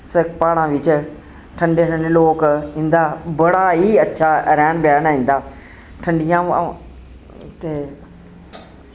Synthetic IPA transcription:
sɐkpaːɽ̃ãʋɪt͡ʃ | ʈʰɐ̃ɳɖeːʈʰə̃ɳeloːkɦĩːnd̪aːbɐɽaɦiɐtːʃʰaɾaːɽ̃baːñaːɦĩːn̆d̪aː | ʈʰɐ̃ɳɖijã | t̪e

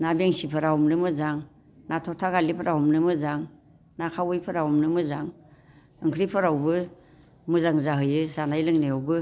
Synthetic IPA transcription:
nabeŋsipʰɯɾawmnɯmɯzaŋ | natʰɔtʰaɡalipʰɯɾaɦɔmnɯmɯzaŋ | nakʰawɯjpʰɯɾawumnɯmɯzaŋ | ɯŋkʰɾipʰɯɾawbɯ | mɯzaŋzaɦɯjɯsanajlɯŋneawbɯ

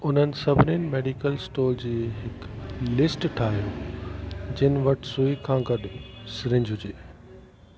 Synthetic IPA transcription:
ʊn̤ənɪ̆sɐbʱnɪːnmeːɖikəlsʈoːld͡ʑeːɦɪklɪsʈʈʰaːɦijoː | d͡ʑɪnɪ̆ʋɐʈʰsuːikʰãːɡɐɗʊsɪɾɪ̃ɲd͡ʑʱɦʊd͡ʑeː

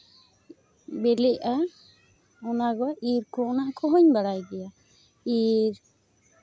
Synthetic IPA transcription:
bɛlɛʔa | ɔnaɡɔʔiɾkɔnaʔkʰɔɦɔɲbaɽajɡɛja | iɾ

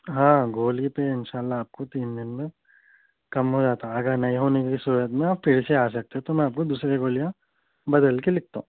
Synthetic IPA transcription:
ɦãːɡoːlipeɪnʃaːlːaaːp̚kot̪iːnd̪ɪnmẽ | kɐmɦod͡ʒaːt̪aɐɡəɾnɐĩɦoːnekikisuːɾət̪mẽaːpfɪɾseaːsɐk̚t̪eɦɛ̃t̪omɛ̃aːp̚kod̪uːsɾeɡoːlijã | bɐd̪əlkelɪk̚ʰt̪aũː

